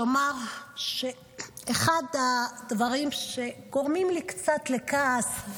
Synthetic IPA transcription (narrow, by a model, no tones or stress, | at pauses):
omaʁʃeː | χadadvaʁimʃe̞ɡoʁmimlikt͡satlekaːs